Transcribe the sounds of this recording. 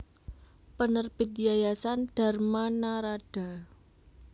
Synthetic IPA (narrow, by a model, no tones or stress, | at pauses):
pənərb̥i̤t̪̚jajasanɖ̥a̤rmanaɾaɖ̥a̤